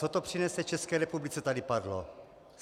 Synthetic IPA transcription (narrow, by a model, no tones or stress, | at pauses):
ot̪o̞pr̝̥inɛsɛt͡ʃɛskɛːɾɛpublit͡sɛt̪adɪpadlo̰